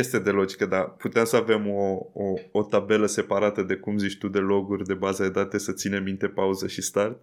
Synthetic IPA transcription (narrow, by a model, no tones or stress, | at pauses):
jest̪e̞d̪e̞lo̞d͡ʒikəd̪aput̪eemsəave̞mo̞oːt̪abe̞ləse̞paɾat̪əd̪e̞kumzit͡ʃt̪ud̪e̞lo̞ɡurʲd̪e̞bazəd̪e̞d̪at̪e̞sət̪sine̞mːint̪e̞pauzəʃist̪art̪̚